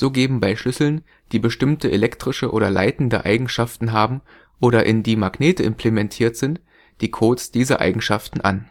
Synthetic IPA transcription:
z̥oːɡeːbm̩baɪʃlʏsl̩n | d̥iːbəʃtɪmtəʔelɛktʁ̥ɪʃəʔo̰ːdɐla̰ɪtn̩dəʔa̰ɪɡŋ̩ʃaftn̩ɦaːbm̩ | ʔoːɾɐʔɪndiːmaɡneːtəʔɪmpʰl̥emɛntʰiːɐtz̥ɪnt | d̥iːkʰoːtsd̥iːzɐ̰ʔa̰ɪɡŋ̩ʃaftn̩ʔa̰n

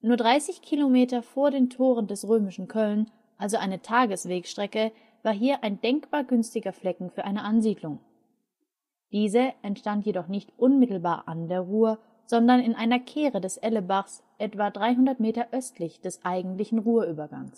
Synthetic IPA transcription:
nuːɐdʁaɪsɪçkʰilomeːtɐfoːɐdeːntʰoːʁ̞əndɛsʁøːmɪʃn̩kʰœln | ʔalzoʔaɪnətʰaːɡəsv̥eːkʃtʁ̥ɛkə | vaːɐɦiːɐʔaɪndɛŋkb̥aːɐɡʏnstɪɡɐflɛkŋ̩fyːɐʔaɪnəʔanziːdlʊŋ | d̥iːzəʔɛntʃtantjedɔχnɪçtʔʊnmɪtl̩baːɐʔandeːɐʁuːə | z̥ɔndɐnɪnʔaɪnɐkʰeːʁədɛsʔɛləbaχs | ʔɛtv̥adʁaɪɦʊndɐtmeːtɐʔœstlɪçd̥ɛsʔaɪɡŋ̩tlɪçn̩ʁuːɐʔyːbɐɡa̰ŋs

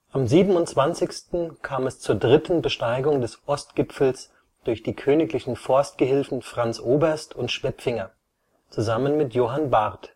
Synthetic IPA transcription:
ʔamziːbm̩ʊntt͡sv̥ant͡sɪçstn̩kʰaːmɛst͡suːɐdʁɪtn̩bəʃtaɪɡʊŋdɛsʔɔst̚ɡ̥ɪpfl̩s | d̥ʊɐçd̥iːkʰøːnɪklɪçn̩fɔɐst̚ɡ̥əɦɪlfn̩fʁ̥ant͡sʔoːbɐɐstʰʊntʃv̥ɛpfɪŋɐ | t͡suzamənmɪtjoːɦanbaʁt

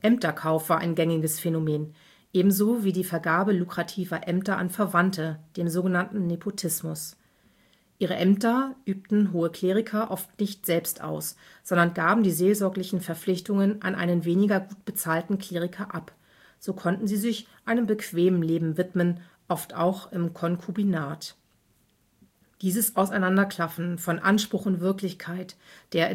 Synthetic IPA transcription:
ʔɛmtɐkʰaʊfv̥aːɐʔa̰ɪnɡɛŋɪɡəsfenomeːn | ʔeːbm̩zoːviːdiːfɛɐɡaːbəlukʁ̥atʰiːvɐʔɛmtɐʔa̰nfɛɐvantəd̥eːmzoːɡənantn̩nepʰotʰɪsmʊs | ʔiːʁəʔɛmtɐʔyːp̚tn̩ɦoːəkʰl̥eːʁɪkʰɐʔɔftnɪçtz̥ɛlpstʔa̰ʊs | z̥ɔndɐnɡaːbm̩diːzeːlzɔɐklɪçn̩fɛɐflɪçtʊŋənʔa̰nʔa̰ɪnənveːnɪɡɐɡuːt̚b̥ət͡saːltn̩kʰl̥eːʁ̞ɪkʰɐʔap | z̥oːkʰɔntn̩ziːzɪçʔaɪnəmbəkv̥eːməm̩leːbm̩vɪtmən | ʔɔftʔa̰ʊxɪmkʰɔnkʰubinaːt | d̥iːzəsʔaʊsaɪnandɐkʰl̥afn̩fɔnʔanʃpʁ̥ʊχʊntv̥ɪɐklɪçkʰaɪtd̥eːɐɪ

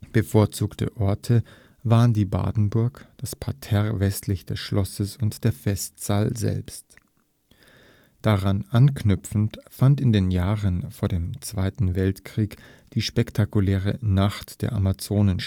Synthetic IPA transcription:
b̥əfoːɐt͡suːktʰə̰ʔɔɐtʰə | vaːʁəndiːba̰ːdn̩bʊɐkd̥aspʰatʰɛʁvɛstʰlɪçd̥ɛsʃlɔsəsʊntd̥eːɐfɛstz̥aːlzɛ̰lpst | d̥aʁanʔankʰnʏpp͡fn̩tfantɪndeːnjaːʁənfoːɐdeːmt͡sv̥aɪtn̩vɛltkʁ̥iːkd̥iːʃpɛktʰakulɛːʁənaχtd̥eːɐʔamat͡soːnən

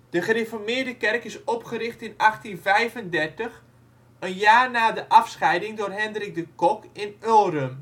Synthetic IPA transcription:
d̥əχərefɔrmɪəɹdəkɛrkɪsɔpχəɾɪχtɪnɑχtinvɛjvəndɛrtəχ | ənjaːrnaːdəʔɑfsχɛjdɪŋdʊːrɦɛndərɪɡ̚dəkɔkɪnølˠrəm

